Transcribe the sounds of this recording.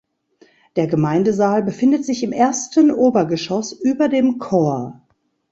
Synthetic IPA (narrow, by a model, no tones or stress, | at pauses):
d̥eːɐɡəmaɪndəzaːlbəfɪndətz̥ɪçɪmʔeːɐstənʔoːbɐɡəʃɔsʔyːbɐdeːmkʰoːɐ